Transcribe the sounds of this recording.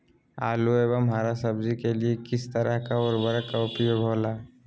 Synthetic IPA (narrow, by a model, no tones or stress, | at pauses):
a̰ːlueːbəmɦaːɾasəbzikeliekɪst̪əɾəɦkaɔɾbəɾkaʊpijobʱoːla